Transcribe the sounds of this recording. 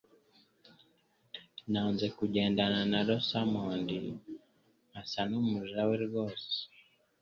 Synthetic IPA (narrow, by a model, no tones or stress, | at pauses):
naːnzekuɟeːndananaɾosamondḭ | asanumuʒaweɾiɡose̥